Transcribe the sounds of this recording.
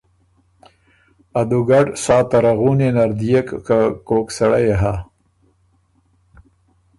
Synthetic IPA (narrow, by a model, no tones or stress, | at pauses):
ad̪uɡaɖsɑːt̪aɾaɣunenaɾd̪ijekkakoksaɽajeɦa